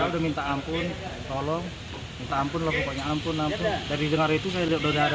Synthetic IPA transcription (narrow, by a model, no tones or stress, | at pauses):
audahmint̪aːmpʊnt̪olɔŋ | mint̪aːmpʊnlɔkupaɲaːmpʊnampʊnd͡ʒadiidəŋaɾit̪us̬ajaliadodaɾa